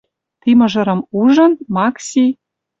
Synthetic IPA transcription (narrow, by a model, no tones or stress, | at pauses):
t̪imɤ̆ʒɤ̆ɾɤ̆muʐɤ̆nmɑksʲi